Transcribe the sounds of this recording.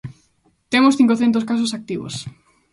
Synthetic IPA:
t̪emosθiŋkoθent̪̬os̬kas̬osak̚t̪iβo̰s

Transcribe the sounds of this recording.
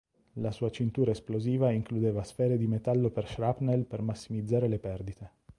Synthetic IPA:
lasuːat͡ʃint̪uːɾaesploziːvaiŋklud̪eːvasfɛːɾed̪imet̪alːoperʃɾapnelpermasːimid̪zːaːɾelepɛrd̪it̪e

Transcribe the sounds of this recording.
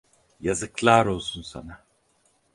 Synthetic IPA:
jazɯklˠaɾo̞lˠsunsa̰na

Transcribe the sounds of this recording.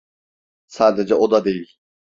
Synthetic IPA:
saːd̪ed͡ʒɛʔod̪ad̪ejilʲ

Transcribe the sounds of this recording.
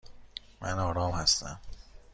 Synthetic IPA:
mʔænɒːɾɒːmhæst̪æ̰m

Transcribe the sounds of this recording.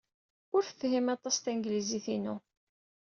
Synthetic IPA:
ʊɾθəfɦimɑt̪ˤɑst̪ænɡliziθinu

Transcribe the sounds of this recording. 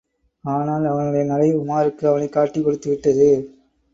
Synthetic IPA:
aːnaːlɐʋɐnɯɽɐjɐnɐlɐɪʊmaːɾɯkːɯɐʋɐnɐɪkːaːʈːɪkːɔɽɯt̪ːɯʋɪʈːɐðɯ

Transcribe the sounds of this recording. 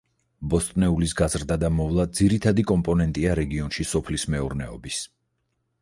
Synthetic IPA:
bɔst̪ʼnɛulisɡazɾd̪ad̪amɔvlˠad̪ziɾit̪ʰad̪ikʼɔmpʼɔnɛnt̪ʼiaɾɛɡiɔnʃisɔpʰlismɛuɾnɛɔbis

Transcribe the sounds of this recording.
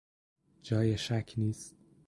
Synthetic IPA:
d͡ʒɒːjeʃækʰniːst̪̚

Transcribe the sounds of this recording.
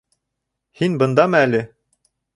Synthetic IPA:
hinbɤ̆nd̪ɑmɤælɘ

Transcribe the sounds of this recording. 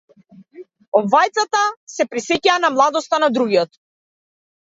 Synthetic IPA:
ɔbvajt̪sat̪asɛpɾisɛcaːnamlˠad̪ɔst̪anad̪ɾuɡiɔt̪

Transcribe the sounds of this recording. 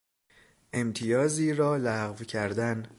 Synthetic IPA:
ʔe̞mt̪ʰijɒːziːɾɒːlæɣvcʰæɾd̪æn

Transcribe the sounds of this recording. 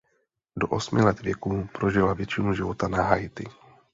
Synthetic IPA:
doʔosmɪlɛt̪vjɛkuːpɾoʒɪlavjɛt͡ʃɪnuʒɪvot̪anaɦajt̪ɪ̰

